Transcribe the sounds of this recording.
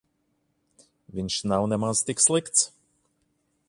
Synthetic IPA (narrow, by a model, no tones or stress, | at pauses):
vinʲʃnawnɛmanst̪ɪkslɪkt̪s